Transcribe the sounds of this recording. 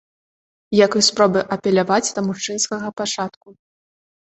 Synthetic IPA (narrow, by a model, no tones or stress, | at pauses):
jakɨspɾɔbɨʔɐpʲɛlʲavad͡zʲd̪ɐmuʂt͡ʂɨnskɐɣɐpat͡ʂat̪ku